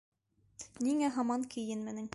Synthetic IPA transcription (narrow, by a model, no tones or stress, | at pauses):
niŋæɦɑmɑŋkɘ̆jɘnmɘ̆nɘŋ